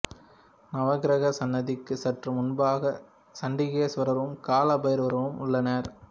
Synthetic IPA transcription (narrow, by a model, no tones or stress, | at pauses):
nɐʋɐɣɪɾɐɣɐsɐnːɐðɪkːɯsɐʈrɯmʊnbaːɣɐ | sɐɳɖɪɣɐjɐsʋɐɾɐɾʋɯmkaːlɐbɐjɐɾʋɐɾɐʋɯmʊɭːɐnɐɾ